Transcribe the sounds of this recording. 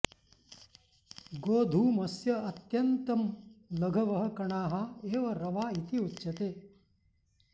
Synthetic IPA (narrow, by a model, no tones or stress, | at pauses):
ɡoːd̪ʱuːmɐsjɐɐt̪jɐnt̪ɐmlɐɡʱɐʋɐɦɐ̆kɐɳaːɦɐeːʋɐɾɐʋaːit̪iut̪ːʃɐt̪eː